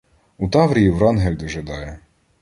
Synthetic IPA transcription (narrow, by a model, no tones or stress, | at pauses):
ut̪ɑʋɾʲijiwɾɑnɦɛlʲd̪ɔʒɐd̪ɑjɛ